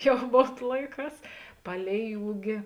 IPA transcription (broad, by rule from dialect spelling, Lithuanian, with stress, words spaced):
ˈjɛʊ ˈmoːn ˈlˠɐɪˌkɑːs ˈpɑːlʲɛɪ ˈuːɡʲɪ